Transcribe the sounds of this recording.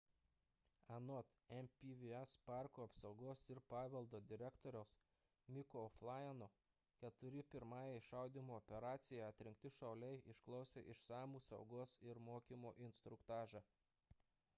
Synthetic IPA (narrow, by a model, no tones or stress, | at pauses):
ɐnɔt̪ɛmpʲiʋʲiɛspɑˑɾkuːɐpsɒʊɡoːsɪɾpɑːʋʲɛlˠd̪oːd̪ʲɪɾʲɛkt̪oːɾʲɛʊs | mʲɪkoɔflˠɑjɛno | kʲɛt̪ʊɾʲɪpʲɪɾmɑːjɛɪʃɑˑʊd̪ʲimuːɔpʲɛɾɑːt̪sʲɪjɛɐt̪ʲɾʲɪ̃ŋʲk̚ʲt̪ʲɪʃɐʊlʲɛɪʔɪʃklˠɒʊsʲeːʔɪʃsɑːmuːsɐ̰ʊɡoːsɪɾmoːkʲimoːʔɪnʲst̪ɾʊkt̪ɑːʒɑː